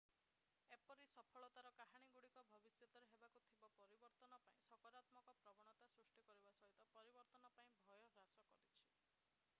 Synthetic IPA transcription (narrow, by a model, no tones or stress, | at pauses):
epɔɾisɔpʰɔɭɔt̪aɾɔkaɦaɽ̃iɡuɽikɔbʱɔbisjɔt̪ɔɾeɦebakut̪ʰibɔpɔɾibɔɾt̪ɔnɔpaĩsɔkɔɾat̪mɔkɔpɾɔɡɔɽ̃ɔt̪asɾusʈikɔɾibasɔɦit̪ɔpɔɾibɔɾt̪ɔnɔpaĩbʱɔjɔɦɾasɔkɔɾit͡ʃʰi̥